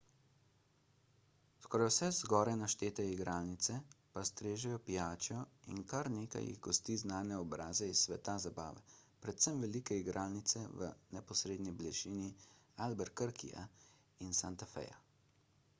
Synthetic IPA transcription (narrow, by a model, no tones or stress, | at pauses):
skɔɾajwsɛzɡɔːɾajnaʃt̪eːt̪ɛiɡɾaːlnit̪sɛpast̪ɾeːʒɛjɔpijaːt͡ʃjɔḭnkaɾneːka̰jḭɣɡɔst̪iːznaːnɛɔbɾaːzɛisːʋɛt̪azaba̰ːʋɛpɾɛt̪sɛmʋɛlikɛiɡɾʔaːlnit̪sɛʋə̰nɛpɔsɾeːd̪niblɛʃiːnialbɛɾkəɾkḭa̰ | insant̪afɛ̰ja̰